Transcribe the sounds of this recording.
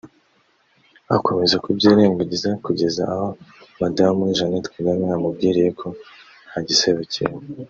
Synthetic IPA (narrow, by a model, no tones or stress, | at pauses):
ako̞me̞zakubɟiːɾe̞ːŋɡaɟizakuɟe̞zaahomadamuiʒanetkiɡameamub̚ɡiːɾije̞kʰo̞ | n̥haɟise̞βecʰḛj